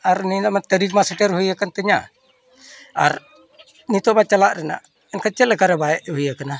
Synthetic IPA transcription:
aɾninamat̪əɾik̚masaʈəɾɦujakant̪əɲa̰ʔ | a̰ɾ | nit̪ɔʔbat͡ʃalaʔɾɛna̰ʔ | ɛnkət͡ʃɛt̪lɛkaɾɛbaɛʔɦujakana

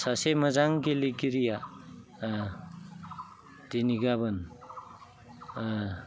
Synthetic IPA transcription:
saseməzaŋɡeliɡiɾija | d̥eniɡaβɯn

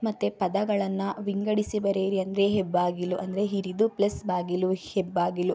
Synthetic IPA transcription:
mɐt̪ːepɐd̪ɐɡɐɭɐnːɐʋiŋɡɐɽisibɐɾeːɾiɐnd̪ɐɾe̞ɦebːaːɡilːuʔɐnd̪ɐɾe̞ɦiɾid̪uplɐsbaːɡiluhebːaːɡilu

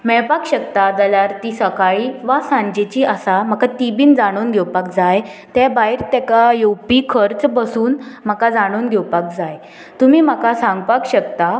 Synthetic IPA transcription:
mɛɭpakɕək̚t̪ad̪əlaɾt̪isəkaɭiːʋasãɲd͡ʑet͡ɕiːʔəsam̤akat̪ibiːnd͡zaɽ̃oːnɡʱɛwpakd͡zajt̪ɛbaɦiɾt̪ɛkajowpikʰəɾt͡sbəsuːnm̤akad͡zaɽ̃oːnɡʱɛwpak̚d͡zaj | t̪umiːm̤akasãŋɡpakɕəkt̪a

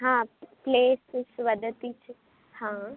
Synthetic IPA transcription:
ɦãːpleːssʋəd̪ət̪it͡ʃ | hãː

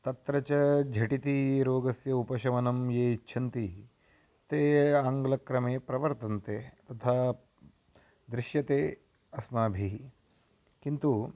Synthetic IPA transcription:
t̪ɐt̪ɾɐt͡ʃɐd͡ʒʱɐʈit̪iɾoːɡɐsjɐupɐʃɐʋɐnɐmjeːit͡ʃːʃʰɐnt̪i | t̪eːaːŋɡlɐkɾɐmeːpɾɐʋɐɾt̪ɐnt̪eːt̪ɐt̪ʰaː | d̪ɾɪʃjɐt̪eː | ɐsmaːbʱi | kint̪u

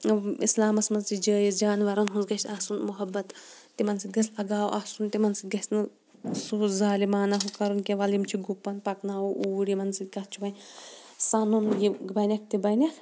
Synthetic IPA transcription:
ḭslaːmɐsmɐnsid͡ʒəːjizd͡ʒaːnʋɐɾɐnɦunzɡɐʃaːsunmuɦɐbːɐt̪t̪ːimɐnsiɡɐslɐɡaːwʔasunt̪imɐnsiɡɐsnɨ | suːzaːlimaːnɐɦukɐɾunkʲeʋɐlimt͡ʃʰiɡupːɐnpɐknaːwuʔuːɽimɐnsit̪̚ɡɐtt͡ʃʰuʋɐnʲsɐnunjiɡbɐnʲɐk̚t̪ibɐnʲɐ

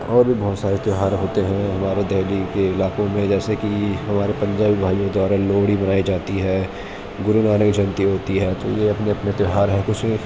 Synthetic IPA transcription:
ɔːɾbʱibɔɦt̪saːɾet̪jɦaːɾɦoːt̪eɦɛ̃ɦɐmaːɾed̪ɛːlikeɪlaːkõmẽd͡ʒɛːsekiɦɐmaːɾepɐ̃ɲd͡ʒaːbibʱaːjõked̪waːɾaloːɽibɐnaːid͡ʒaːt̪iɦɛː | ɡʊɾunaːnəkd͡ʒɐnt̪iɦoːt̪iɦɛːt̪ojeɐpneɐpnet̪ɪɦaːɾɦɛkʊt͡ʃʰẽ

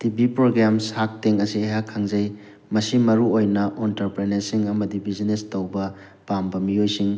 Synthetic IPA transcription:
tibipɾoɡɾamsak̚teŋɐsieɦakʰːaŋzɐj | mɐsimɐɾuojnɐʔentɐɾpɾeneɾsiŋɐmɐdibizinestɐwbɐ | pambɐmiojsiŋ

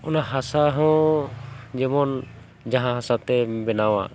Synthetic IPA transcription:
ɔnaɦasaɦɔ̃ | d͡ʒɛmɔn | d͡ʒaɦãɦasat̪ɛbɛnawa̰

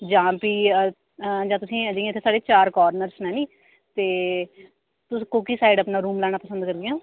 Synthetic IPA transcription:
d͡ʒãːpiː | d͡ʒãːt̪̬ʊsĩːd͡ʒĩːt̪ʰeːsaːɽeːt͡ʃaːɾkɔːɾnəɾsnɛ̃ːnĩː | t̪eː | t̪ʊsːkoːkiːsaːɪɖəpnaːɾuːmlɛːɽ̃aːpəsənd̪kəɾd̪ɪjãː

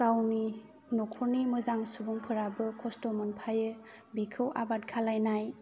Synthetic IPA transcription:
kawni | nɔkʰɔɾnimɯzaŋsubuŋpʰɯɾabɯkʰɔstomɯnpʰajɯ | bikʰɯwʔa̰bat̚kʰalajnaj

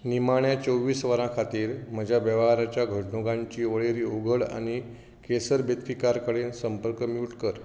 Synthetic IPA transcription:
nimaɳjat͡səwʋiːsʋəɾãkʰat̪iːɾm̤əd͡ʑʱjabəʋɦaɾat͡ɕjaɡʱəɽɳoɡãɲt͡ɕiːʋəɭeɾiːuɡʱəɭa̰ñi | kesəɾbet̪kikaɾkəɽensəmpəɾkəmiwʈkəɾ

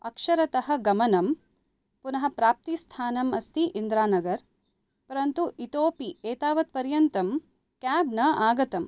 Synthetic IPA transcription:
ɐkʂɐɾɐt̪ɐɦɐ̆ɡɐmɐnɐm | punɐɦɐ̆pɾaːp̚t̪ist̪ʰaːnɐmɐst̪ʰiʔind̪ɾaːnɐɡɐɾ | pɐɾɐnt̪uit̪oːpieːt̪aːʋɐt̪̚pɐɾjɐnt̪ɐm | kaːbnɐaːɡɐt̪ɐm

